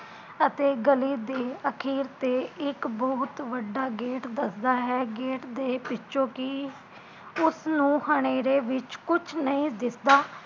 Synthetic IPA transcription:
ət̪eːɡəliːd̪eːəkʰiːɾt̪eːɪkbɔːt̪ʋəɖːaːɡeːʈd̪əsd̪aːɦɛːɡeːʈd̪eːpɪt͡ʃːʃõːkɪ | ʊsnũːhəɽ̃eːɾeːʋɪt͡ʃkʊt͡ʃʰnəĩːd̪ɪsd̪aː

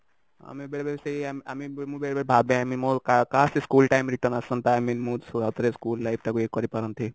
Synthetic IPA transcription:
a̰mibeɭbeɾseamiamibmubeɭbeɾbʱabẽamimokakasiskuːlʈaimɾiʈəɾnəsənt̪aminmusuɡawt̪əɾeskuːlːajp̚t̪akuekːɔɾipəɾənt̪i

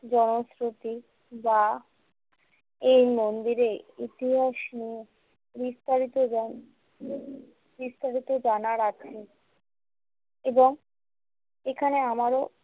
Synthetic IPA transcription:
d͡ʑɔnosɾot̪i | ba | ejnond̪iɾeit̪iɦaʃnie | bist̪aɾit̪o | bist̪aɾit̪od͡ʑanaɾat͡ɕʰe | eboŋ | ekʰaneamaɾo

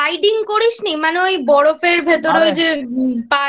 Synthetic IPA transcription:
ajɖiŋkoɾinimaneojbɔɽofeɾbʱet̪oɾojd͡ʑepa

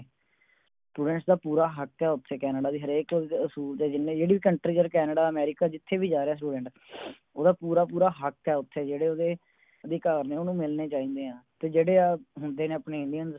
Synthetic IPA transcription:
sʈuːɖəɳʈd̪aːpuːɾaːɦəkɛːʊt̪ʰːeːkɛːnəɖaːd̪iːɦəɾeːkoʊsuːɾd͡ʒeːd͡ʒɪnːẽːd͡ʒeːɽiːʋiːkəɳʈɾiːd͡ʒəɾkɛːnəɖaːəmɛːɾɪkaːd͡ʒɪt̪ʰːeːbiːd͡ʒaːɾeɛːs̬ʈuːɖəɳʈ | oːd̪aːpuːɾaːpuːɾaːɦəkɛːʊt̪ʰːeːd͡ʒeːɽeːoːd̪eː | əd̪eːkaːɾneːoːnũːmɪlneːt͡ʃaːĩːnd̪eːɦãːt̪eːd͡ʒeːɽeːaːɦʊnd̪eːneːəpneːɪ̃ɳɖijənz

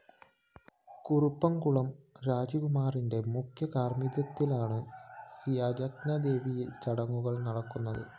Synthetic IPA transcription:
kurupːɐmkuɭɐmɾaːd͡ʑɐɣumaːrinde̞mukʰjɐkaːrmiðjɐt̪ːilaːɳɨː | jɐd͡ʑɐknɐd̪e̞ːʋijet͡ɕɐɽɐŋːuɣɐɭnɐɽɐkːunːɐðɨ̰

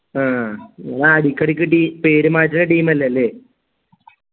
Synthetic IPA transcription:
aːɐnaɐɽikʲːɐɽik̬ʲːɨʈiːpeːɾumaːtːɨnɐʈiːmɐlːeɐlːeː

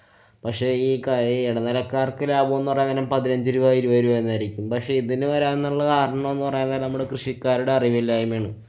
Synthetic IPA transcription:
pɐkʂe̞iːkaiɽɐnɐlɐkːaːrkɨlaːbɐmonːɨpɐrɐjɐŋːɐnɐmpɐðinɐɲd͡ʑiɾuʋaːjiɾuʋɐjiɾuʋaːjenːɐɾikʲːumpɐkʂe̞ːiðinɨʋɐɾaːnːɐɭːɐkaːɾɐɳɐɐme̞nːɨpɐrɐjnːðːlnɐmuɽekrɨʂikːaːɾuɽe̞ɐriʋilːaːjumʋeːɳɨ

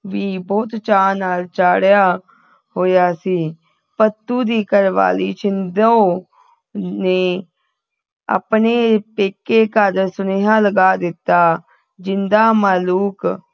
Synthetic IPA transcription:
ʋiːbɔːt̪t͡ʃaːnaːlt͡ʃaːɽjaː | hoːjaːsiː | pət̪ːuːd̪iːkəɾʋa̰ːliːt͡ʃɪnd̪oː | neː | ə̰pneːpeːkeːkaːd̪əɾsʊneːɦãːləɡaːd̪ɪt̪ːaː | d͡ʒɪnd̪aːmaːluːk

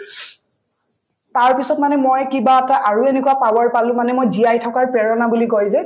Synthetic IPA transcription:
taɹpisɔt̚manɛmojkibaataʔaɹuenekuwapawaɹpalʊ̃manɛmojdijajtʰɔkaɹpɹɛɹɔnabulikɔjzɛ

